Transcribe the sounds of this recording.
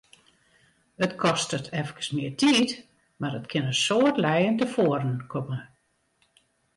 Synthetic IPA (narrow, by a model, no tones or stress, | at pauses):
ətkʰɔstətʰɛfəkə̥smɪərtʰiːt | maɾətkʰɪnəsoərtlɛjəntəfoəɾənkʰɔmə